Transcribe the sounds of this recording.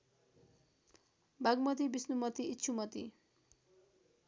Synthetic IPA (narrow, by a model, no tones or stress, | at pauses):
bʱaɡmʌt̪ibisnumʌt̪iːtːt͡ʃʰumʌt̪ḭ